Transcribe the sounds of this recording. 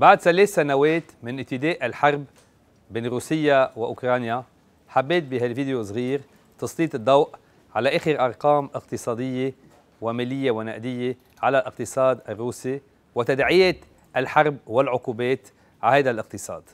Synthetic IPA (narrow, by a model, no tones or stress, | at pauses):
baʕd̪saleːθsanaweːt̪mɪnʔɪb̚t̪ɪd̪eːʔalħɑɾˤb | beːnɾuːsɪjːawɪʔʊkɾˤɑːnja | ħabːeːt̪̚biɦalviːd̪ɪjos̬ˤɣiːɾ | t̪ɑsliːt̪ɨd̪ːɑwʔ | ʕalaʔeːxɪɾʔɑɾˤqɑːmʔɪqt̪ɨsˤɑːd̪ɪjːe | wɪmeːlɪjːewɪnaʔd̪ɪjːe | ʕalalʔɪqt̪ɨsˤɑːd̪ʔarːuːsi | wɪt̪ad̪ʕɪjeːt̪ | ʔalħɑɾˤbwɪlʕʊquːbeːt̪ | ʕahajd̪alʔɪq̚t̪ɨsˤɑ̰ːd̪̥